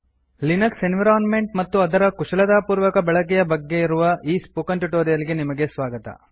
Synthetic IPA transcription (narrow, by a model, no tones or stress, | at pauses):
linɐksenʋiɾaːnme̞ɳʈmɐt̪ːuɐd̪ɐɾɐkuʂɐlɐd̪aːpuːɾʋɐkɐbɛɭɐk̬ɛjɐbɐɡːe̞iɾuʋɐʔiːspukɐnʈuʈoːɾijɐliɡenimɐɡe̞sʋaːɡɐt̪ɐ̰